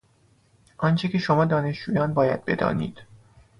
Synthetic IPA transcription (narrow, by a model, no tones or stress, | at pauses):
ʔɒnt͡ʃʰecʰe̞ʃomɒːd̪ɒːne̞ʃd͡ʒuːjɒːnbɒːjæd̪̥̚be̞̰d̪ɒ̰ːnḭːd̪̥